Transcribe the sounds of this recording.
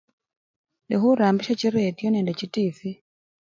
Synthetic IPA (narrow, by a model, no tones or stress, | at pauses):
nɛɦuɾambiʃat͡ʃiɾɛtjɔnɛndɛt͡ʃitifi